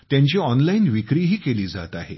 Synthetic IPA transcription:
t̪jãɲt͡ɕiːɔnlainʋikɾiːɦiːkeliːd͡za̰t̪aɦḛ

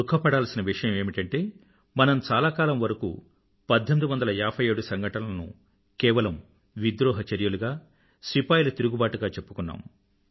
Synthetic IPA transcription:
ukʰːɐpɐɽaːlsinɐʋiʂɐjɐme̞ːmiʈɐɳʈe̞ː | mɐnɐmt͡ʃaːlaːkaːlɐmʋɐɾɐkṵ | pɐd̪ʱːɐmid̪uʋɐnd̪ɐlɐaːpʰɐjeːɽusɐŋɡɐʈɐlɐnṵ | kɛːʋɐlɐm | ʋid̪ɾɔːɦɐt͡ʃɐɾjuluɡaː | sipaːjilɐt̪iɾuɡubaːʈuɡaːt͡ʃe̞pːu̥kunːa̰ːm

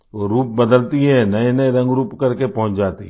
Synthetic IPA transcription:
ʋoːɾuːp̚bəd̪əlt̪iɦɛnɐenɐeɾɐ̃ŋɡɾuːpkɐɾkepɐɦʊ̃t͡ʃd͡ʒaːt̪ḭɦɛ

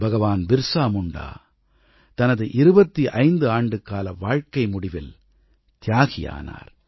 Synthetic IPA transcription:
bɐɣɐʋaːnbɪɾsaːmʊɳɖa̰ː | t̪ɐnɐðɯʔɪɾɯbɐt̪ːiʔɐɪnd̪ɯaːɳɖɯkːaːlɐʋaːɻkɐɪmʊɽɪʋɪl | t̪ɪjaːɣɪja̰ːna̰ːɾ

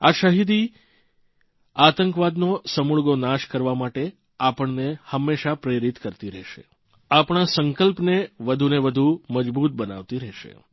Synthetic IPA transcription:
aʃəɦid̪i | at̪əŋkʋad̪nosəmuɭɡonaʃkəɾʋamaʈe | apəɳnehəmːeʃapɾeɾit̪kəɾt̪iɾɛʃḛ | apɳ̃asəŋkəlpneʋəd̪ʱuneʋəd̪ʱuməd͡ʒbut̪̚bəna̰ʋt̪iɾɛʃḛ

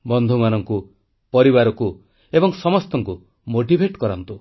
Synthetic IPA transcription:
bɔnd̪ʱumanɔŋku | pɔɾibaɾɔku | ebɔŋsɔmɔst̪ɔŋku | moʈibʱeʈkɔɾɔnt̪u

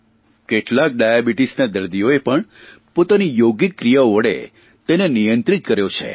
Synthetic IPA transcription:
keʈlak̚ɖajabiʈisnad̪əɾd̪ijoepəɳ | pot̪anijoɡikːɾijaoʋəɽḛ | t̪enenijənt̪ɾit̪kəɾjot͡ʃʰḛ

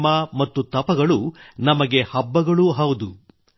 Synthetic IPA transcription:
mamɐt̪ːut̪ɐpɐɡɐɭunɐmɐɡe̞hɐbːɐɡɐɭuɦɐwud̪u

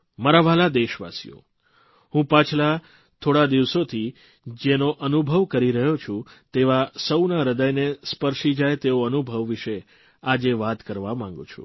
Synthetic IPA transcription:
maɾaʋalad̪eʃʋa̰sijo̰ | ɦũpãt͡ʃʰla | t̪ʰoɽad̪iʋsot̪ʰi | d͡ʒenoʔənubʱəʋkəɾiɾəɦjot͡ʃʰũt̪eʋasəwnaɾəd̪əjnespəɾʃid͡ʒajt̪eoənubʱəʋːiʃe | ad͡ʒeʋat̪kəɾʋamãŋ̆ɡṵ̃t͡ʃʰṵ̃

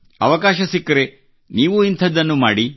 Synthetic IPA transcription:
ɐ̰ʋɐkaːʃɐsikːɐɾe | niːʋuint̪ʰɐd̪ːɐnːumaːɽi

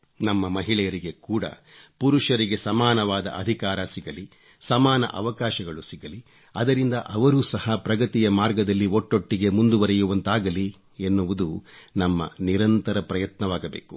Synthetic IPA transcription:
nɐmːɐmɐɦiɭɛjɐɾiɡe̞kuːɽɐ̰puɾuʃɐɾiɡe̞sɐmaːnɐʋaːd̪ɐ̰ʔɐd̪ʱikaːɾɐsiɡɐli | sɐmaːnɐ̰ʔɐʋɐkaːʃɐɡɐɭusiɡɐli | ɐd̪ɐɾind̪ɐʔɐʋɐɾuːsɐhɐpɾɐɡɐt̪ijɐmaːɾɡɐd̪ɐlːioʈːo̞ʈːiɡe̞mund̪uʋɐɾɛjuʋɐnt̪aːɡɐli | enːuʋud̪unɐmːɐ̰niɾɐnt̪ɐɾɐpɾɐjɐt̪nɐʋaːɡɐbḛːku̥

